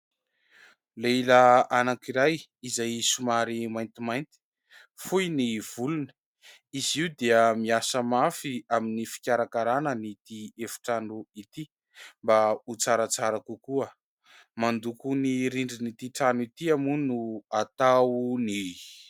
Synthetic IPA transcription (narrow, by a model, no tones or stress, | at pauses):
leilaanakiɾajizajsumaɾimajnt̪imajnt̪i̥ | fujniv̥ulun | iziud̪eəmiasəmafiaminifi̥kʲaɾakaɾanənit̪iefu̥ʈ͡ʂanuit̪i | mbaut͡saɾat͡saɾakukuə | mand̪ukuniɾiɳɖ͡ʐinit̪iʈ͡ʂanuit̪iamunuat̪awni